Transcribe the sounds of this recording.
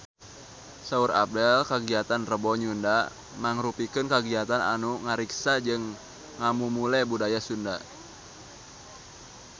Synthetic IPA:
sauɾa̰p̚dɛlkaɡiat̪anrəbɔɲunda | maŋɾupikɨnkaɡiat̪ana̰nuŋaɾiksad͡ʒɨŋː | amumulɛbudajasunda

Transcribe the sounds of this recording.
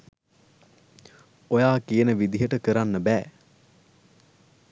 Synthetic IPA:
ojaːkijənəʋid̪iɦəʈəkəɾanːəbæː

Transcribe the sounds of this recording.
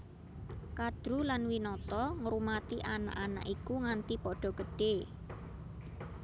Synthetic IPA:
kad̪̥ɾulanwinɔt̪ɔŋɾumat̪iʔana̰ʔana̰ʔikuŋant̪ipɔɖ̥ɔ̤ɡ̥əɖ̥e

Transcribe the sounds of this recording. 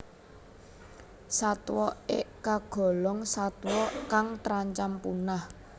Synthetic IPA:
sat̪wɔḛʔkaɡ̥ɔ̤lɔŋsat̪wɔkaŋt̪ɾaɲt͡ʃampunah

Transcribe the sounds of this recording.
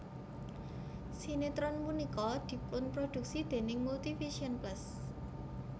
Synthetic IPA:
sinet̪ɾɔnmunikɔd̪̥i̤pʊnpɾod̪̥ṳk̚sid̪̥e̤nɪŋmult̪ifisiɔnplas

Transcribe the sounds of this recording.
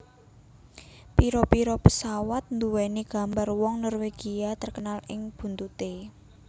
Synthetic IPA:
piɾɔpiɾɔpəsawat̪̚nd̪uwɛniɡ̥a̤mbarwɔŋnɔrweɡ̥iat̪ərkənalɪŋb̥ṳnt̪ut̪e

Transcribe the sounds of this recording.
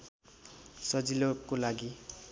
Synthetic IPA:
sʌd͡zilokːolaɡi

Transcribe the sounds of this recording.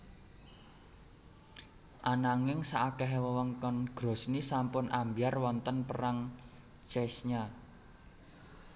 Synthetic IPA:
ʔanaŋɪŋsaʔakɛɦɛwəwɔŋkɔnɡ̥ɾo̤snisampʊnʔambiarwɔnt̪ənpəɾaŋ | t͡ʃɛsɲa

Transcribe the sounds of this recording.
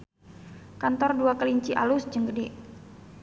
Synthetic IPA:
kant̪ɔrduakəliɲt͡ʃiʔalusd͡ʒəŋɡəde

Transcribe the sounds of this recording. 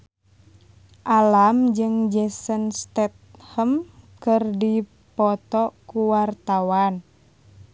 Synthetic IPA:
ʔalamd͡ʒɨŋd͡ʒɛsənst̪ɛt̪̚həmkɨrdi | pɔt̪ɔkuwart̪awan

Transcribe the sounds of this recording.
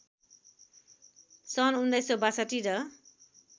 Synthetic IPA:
sʌnund̪ajsobasaʈiɾʌ

